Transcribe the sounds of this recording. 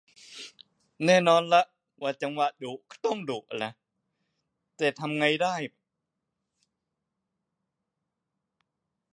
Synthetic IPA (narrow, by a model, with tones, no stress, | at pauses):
nɛː˥˩nɔː˧nla˦˥ʔ | waː˧˩t͡ɕa˧ŋwa˨˧˩ʔduː˨˩˦t̪ɔ˥˩ŋduː˨˩ʔ̚ʔa˨˩na˦˥ʔ | t̪ɛː˨˩t̪ʰa˧mŋa˧jdaː˥˩j